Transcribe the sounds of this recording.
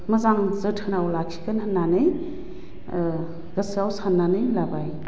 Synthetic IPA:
məzaŋzɯtʰɯnawlakʰi̥kɯnhənːanɯj | ɡ̥ɯsawsanːanɯjlabaj

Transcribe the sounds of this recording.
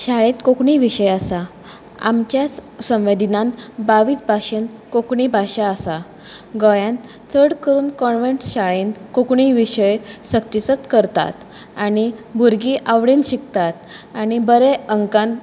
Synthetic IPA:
ɕaɭẽt̪kokɳiʋiɕəjasa | a̰mt͡ɕjassə̃w̃ʋed̪ʱinãnbaʋiːt͡sbʱaɕenkokɳibʱaɕaːsa | ɡɔjãn | t͡səɽkəɾuːnkɔɳʋeɳʈɕaɭenkokɳiʋiɕəjsək̚t̪isət̪kəɾt̪a̰t̪ | aɽibʱuɾɡiʔaʋɽinɕikt̪at̪añibəɾeəŋkãn

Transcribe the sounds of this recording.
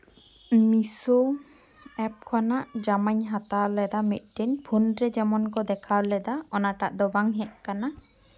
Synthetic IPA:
miso | ɛp̚kʰɔnaʔd͡ʒamaɲɦat̪aɾlɛd̪amḭt̪̚ˀʈinbʰʱunɾɛd͡ʒɛmɔnkɔd̪ɛkʰalɛd̪aɔnaʈa̰ʔd̪ɔbaŋɦɛʔ̚kana

